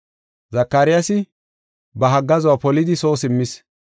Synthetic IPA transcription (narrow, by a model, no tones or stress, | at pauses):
zɐkːaːɾɪjasɪ | bɐɦɐɡːɐzɔwapɔlɪd̪ɪso̞ːsɪmːɪs